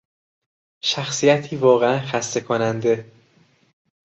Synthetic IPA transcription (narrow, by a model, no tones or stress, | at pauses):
ʃæxsijæt̪ʰiːvɒːɣeænxæst̪e̞kʰonænd̪e̞